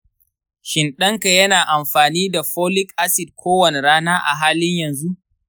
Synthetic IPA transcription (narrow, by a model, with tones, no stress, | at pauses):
ʃɪ˨nɗɐ˦ŋka˨jɐ˦naː˨ʔa˨mɸaː˨niː˦da˨ɸoː˦lɪ˦kʔa˦sɪ˨d̚kʷʰoː˦wɐ˨ne˨ɾaː˦naː˦ʔa̰˨ɦaː˦lɪ˦ɲjɐ˨nzu˦ʔ